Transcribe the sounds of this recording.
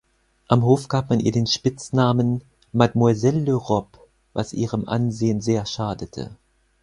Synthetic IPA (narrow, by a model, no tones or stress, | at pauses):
ʔamɦoːfɡ̥aːp̚manʔiːɐdeːnʃpɪt͡snaːmən | madmwɛzɛlːøʁɔp | va̰sʔḭːʁəmʔa̰nzeːənzeːɐʃaːdətʰə̰